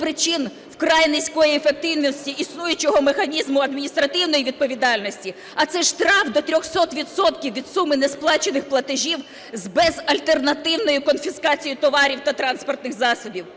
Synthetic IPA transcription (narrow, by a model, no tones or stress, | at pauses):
pɾɪt͡ʃɪn | wkɾɑjnɪsʲkɔjiefek̚t̪ɪwnʲɔsʲtʲiʔisnujʊt͡ʃjɔɦɔmexɐnʲizmʊɐd̪mʲinʲist̪ɾɐt̪ɪwnɔjiʋʲid̪̚pɔʋʲid̪ɑlʲnɔsʲtʲi | ɐt̪sɛʃt̪ɾɑfd̪ɔt̪ɾʲɔxsɔt̪ʋʲid̪sɔt̪kʲiwʋʲid̪sumɪnesplˠɑt͡ʃenɪxplˠɐt̪ɪʒʲiw | zbɛzɐlʲt̪e̞rnɐt̪ɪwnɔjʊkɔnfʲiskɑt͡sʲijʊt̪ɔʋɑɾʲiwt̪ɐt̪ɾɑnspɔrt̪nɪxzɑsɔbʲiw